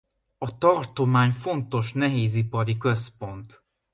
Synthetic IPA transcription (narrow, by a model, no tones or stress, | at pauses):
ɒt̪ɒrt̪o̞maːɲfo̞nt̪o̞ʃn̪ɛɦeːzipɒɾikøspo̞nt̪